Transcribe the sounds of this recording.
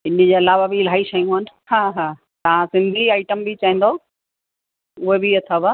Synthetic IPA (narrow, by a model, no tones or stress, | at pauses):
ɪnɪ̆d͡ʑeɐlaːʋabil̤aːiʃɐijũn | haːɦaː | t̪ɐʋ̤ãsɪ̃nd̪ʱiaːɪʈəmbɪt͡ɕaĩːn̆d̪o | ʊɦebiɐt̪ʰaba